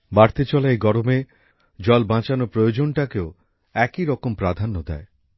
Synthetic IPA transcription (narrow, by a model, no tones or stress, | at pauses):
baɾt̪et͡ɕɔlaeɡɔɾome | d͡ʑɔlbãt͡ɕanopɾojod͡ʑonʈakeo | ɛkiɾɔkompɾad̪ʱanːod̪ɛ̰e